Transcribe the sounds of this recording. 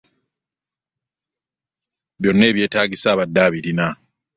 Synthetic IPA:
βjo̞nːe̞ːβje̞ːtaːɟisaːβadːaːβiɾina

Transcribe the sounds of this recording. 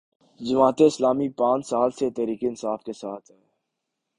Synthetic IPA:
d͡ʒɐmaːt̪eɪslaːmipãːɲsaːlset̪ɛːɾiːkeɪnsaːfkesaːt̪ʰː

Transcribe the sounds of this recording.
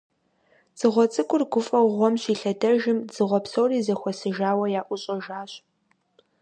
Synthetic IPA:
z̥ɨʁʷɔt͡sʼɨkʷʼʊrɡʷʊfʼɐwʁʷɔmɕiːɬɐdɐʒɪmz̥ɨʁʷɔpsowriːzɐxʷɔsɨʒaːwɐjaːʔʷʊɕʼɐʒaːɕ

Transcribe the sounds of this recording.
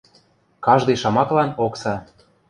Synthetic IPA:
kɑʒd̪ɤjʃɑmɑklɑnoksɑ

